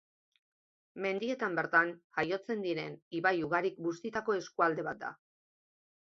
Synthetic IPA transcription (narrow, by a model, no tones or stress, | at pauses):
me̞nd̪ie̞t̪ambe̞ɾt̪anʝajo̞t͡se̞nd̪iɾe̞niβajuɣaɾikɡust̪it̪ako̞e̞skuald̪e̞βat̪̚d̪a̰